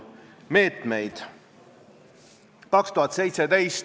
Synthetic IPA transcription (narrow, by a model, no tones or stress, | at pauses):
me̞ːt̪me̞jd̪̥ | kɑkst̪uɦɑt̪se̞jt̪sed̪e̞js